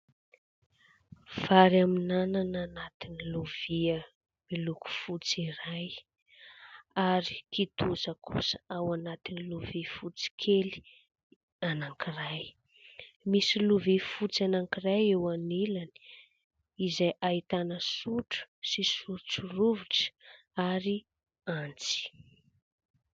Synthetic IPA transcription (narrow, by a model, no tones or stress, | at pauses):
v̥aɾaminanananat̪iniluv̥iə | miluku̥fut͡siɾaj | aɾi̥kit̪uzəkʰṵsə̥awanat̪iniluvifut͡si̥kʰeli̥ | anaŋkiraj | misiluvifut͡sianaŋkirajewanilani̥ | izajʔait̪anəsuʈ͡ʂə̥sisuɾt͡suruvuʈ͡ʂə̥ | aɾi | ant͡si̥